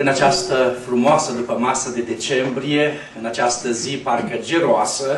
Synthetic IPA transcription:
ɨnat͡ʃast̪əfɾumoasəd̪upəmasəd̪e̞d̪e̞t͡ʃe̞mbɾije̞ | ɨnat͡ʃast̪əziparkəd͡ʒeɾoasə

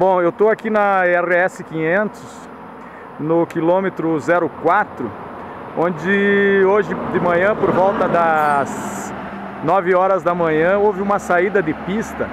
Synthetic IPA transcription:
bõewt̪oakinɐɛʁɪɛsɪkĩɲẽnt̪ʊs | nʊkilõmet̪ɾʊzɛɾʊkwat̪ɾʊ̰ | õd͡ʒɪoʒɪd̪ɪmɐ̃ɲɐ̃poɾvɔwt̪ɐd̪ɐz | nɔvɪɔɾɐzd̪ɐmɐ̃ɲɐ̃ovɪũmɐsaid̪ɐd̪ɪpist̪ɐ

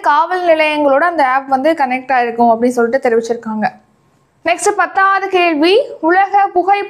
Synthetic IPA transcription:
kaːʋɐlnɪlɐjɐŋɡɐɭoːɽɐɐːnd̪ɐaːpʋɐnd̪ɯkɐnɛk̚ʈaːjɪɾɯkːɯ̃mɐpːɐɽɪnːs̬ɔlːɪʈ̬ːɯt̪ːɛɾɪʋɪt͡ʃːɪɾɯkːaːŋɡɐ | nɛksʈɯpɐt̪ːaːɐðɯkeːɻʋiʊɭɐɣɐpʊɣɐɪp

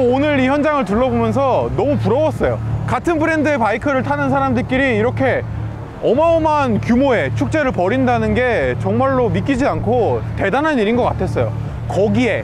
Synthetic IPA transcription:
onɯɾiçjʌnd͡ʑaŋɯɭt̬ɯɭːʌbomjʌns̬ʰʌnʌmupuɾʌwʌs͈ʌjokatʰɯnpʰɯɾe̞ndɯe̞paikʰɯɾɯɭtʰanɯnsʰaɾamdɯɭk͈iɾiːɾʌkʰe̞ | ʌmaomankjumoe̞t͡ɕʰuk̚t͡ɕ͈e̞ɾɯɭpʌɾindanɯnɡe̞t͡ɕʌŋmaɭːomik͈id͡ʑiankʰote̞danɦaniɾinɡʌk͈atʰe̞s͈ʌjo̰ | kʌɡie̞

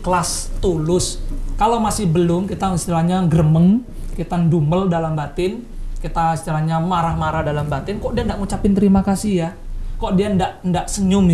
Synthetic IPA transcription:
kəlast̪ulʊskalawmasɪhbəlʊmkit̪asət̪əɾahɲaɡəɾəməŋ | kit̪anduməldalambat̪ɪn | kit̪asə̥t̪əɾaɲamaɾahmaɾadalambat̪ɪnkɔʔdiaəndaʔŋut͡ʃapɪnt̪əɾimakasijakɔʔdiandaʔndaʔsəɲʊm

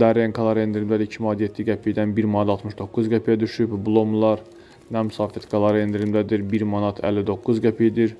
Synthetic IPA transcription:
d̪æɾenkʰɑlˠɑɾend̪ɾimd̪æd̪iɾicʰimɑt̪jet̪ʰːiɡʲæpʰijd̪ænbiɾmɑnɑt̪ɑlˠt̪mɯʃd̪o̞kːuzɡʲæpʰijæd̪yʃybbulˠomlˠɑɾ | næmysɑːfit̪kʰɑlˠɑɾend̪ɾimd̪æd̪iɾbiɾmɑnɑt̪ʰæ̰lːid̪o̞kːuzɡæpʰijd̪iɾ

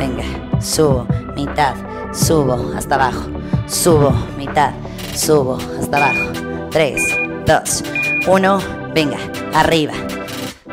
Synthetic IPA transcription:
beŋɡasuβomit̪að | suβoa̰st̪aβaxo̥ | suβomit̪að | suβoast̪aβaxo̥ | t̪ɾesd̪osuno | beŋɡa | ariβa

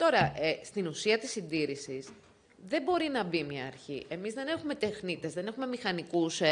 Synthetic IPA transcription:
t̪o̞ɾɐest̪inusiɐt̪isind̪iɾisis | ðe̞bo̞ɾinɐbimɲɐːɾçiʔe̞mizðe̞ne̞xume̞t̪exnit̪e̞zðe̞ne̞xumemixɐnikus

